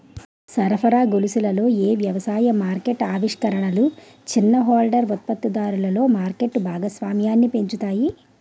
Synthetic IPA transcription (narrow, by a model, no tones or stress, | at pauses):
sɐɾɐpʰɐɾaːɡolusilɐlo̞ːeːʋjɐʋɐsaːjɐmaːɾke̞ʈaːʋiʂkɐɾɐɳɐlu | t͡ʃinːɐɦaːlɖɐɾʋut̪̚pɐt̪ːud̪aːɾulɐlo̞ːmaːɾke̞ʈːbʱaːɡɐsʋaːmjaːnːipe̞ɲt͡ʃut̪aːji